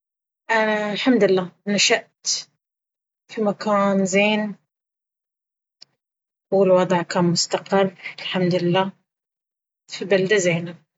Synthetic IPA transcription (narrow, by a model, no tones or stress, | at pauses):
ʔalħamd̪ɪlːaːnaʃaʔt̪ | fimakaːnzeːn | wɪlwɑd̪ˤʕkaːnmʊst̪aqɪrːɪlħamd̪lɪlːaː | fibald̪azeːna